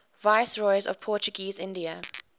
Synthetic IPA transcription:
vaɪsɹɔɪzɔ̰v̥pʰɔˑt͡ʃuɡiːzɪ̃ndiə

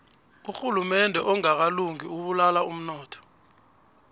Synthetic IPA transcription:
uxulumɛndʱɛʔɔŋak̬aluŋiuɓulalaum̩nɔːtʰɔ̥

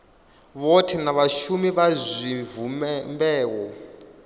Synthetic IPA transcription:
βɔtʰɛnaβaʃumiβazʷiɱvumɛmbɛːwɔ

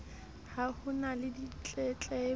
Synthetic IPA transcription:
hahʊnalɪdit͡ɬʼɛt͡ɬʼɛ

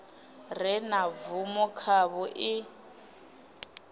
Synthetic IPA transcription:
rɛnavumɔkʰaβɔʔɪ

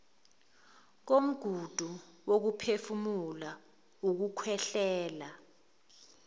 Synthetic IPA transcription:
k̬om̩ɡ̥ʱud̥ʱuwok̬upʰefumula | uk̬ukʰwɛɬɛːla

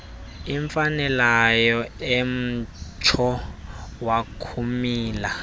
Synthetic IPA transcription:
iɱfanɛlajɔem̩t͡ʃʰɔ | wakʰumiːla

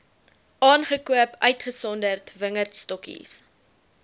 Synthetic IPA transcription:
ɑːnχəkuəpœɥtχəsɔndərtvəŋərtstɔkḭs

